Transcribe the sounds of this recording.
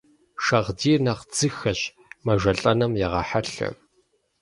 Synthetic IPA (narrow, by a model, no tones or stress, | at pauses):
ʃɐʁdiːrnɐqd͡zɨxɐɕ | mɐʒʷɐɬʼɐnɐmjɛʁɐħaɬɐ̰